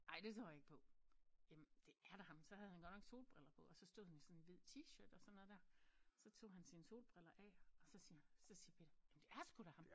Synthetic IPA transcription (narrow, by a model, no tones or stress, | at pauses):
ʔɑ̈ɪd̥e̝t͡sʰʁo̰ːjɑ̈eɡ̥pʰɒ̽jemd̥e̝æɐɾ̥ɑ̈hɑ̈msɒ̽hæðˠhænɡ̥ɒ̽dnɒ̽ɡ̥so̝̰ːlb̥ʁɛlɐpʰɒ̽ɒsɒ̽sd̥o̝ðˠhænjosɒ̽neʋið̰ˠt͡sʰiɕøːd̥ɒ̽sɒ̽nːɔ̽ð̩ˠd̥æɐ̰sɒ̽t͡sʰo̝̰ːɦænsinəso̝̰ːlb̥ʁɛl̰ɐʔɛ̰ɒ̽sɒ̽siːɐsɒ̽siːɐpʰe̝ːd̥ɐjæmnd̥e̝æɐsɡ̥uɾ̥ɑhɑ̈m